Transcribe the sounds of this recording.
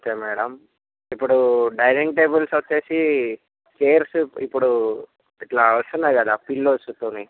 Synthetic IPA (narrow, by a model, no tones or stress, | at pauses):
t͡ʃeːmɛːɽɐm | ipːuɽuɖɐjɾeŋʈeːbulsʋɐt͡ʃːe̞ːsi | keːɾsuipːuɽu | iʈlaːɐʂunːaɾkɐd̪aːpilːosut̪uni